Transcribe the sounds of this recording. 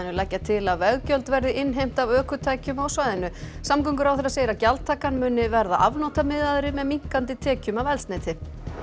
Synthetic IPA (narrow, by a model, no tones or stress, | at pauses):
ɪnʏlɛjhcːat̪ʰɪlavɛɣcœlt̪vɛɾðɪʔɪnːɦejm̥t̪avœːkʏt̪ʰaːjcʏmawsvajðɪnʏ | samkʏŋkʏɾawθɛɾaseːjɾacalt̪ʰaːkanmʏːnːɪvɛɾðaʔa̰vnowt̪amɪðaðɾɪmɛðmiŋ̥kant̪ɪt̪ʰɛːcʏmavɛlsnajt̪ʰɪ